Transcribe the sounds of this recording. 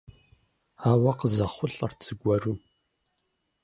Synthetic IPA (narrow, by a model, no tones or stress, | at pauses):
aːwɐqəzɐχʷʊɬʼɐrt͡sʰʼɨɡʷɐruː